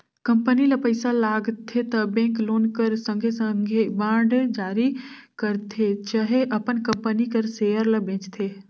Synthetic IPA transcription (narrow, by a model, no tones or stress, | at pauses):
kəmpənilɐpəɪsalaːɡt̪ʰːet̪ɐbẽːŋkloːnkəɾsə̃ŋɡʱesəŋɡʱebãːɖd͡ʒaːɾikəɾt̪ʰet͡ʃəɦeʔɐpənkə̃mpənikəɾseːjəɾlɐbʱẽːt͡ʃt̪ʰeː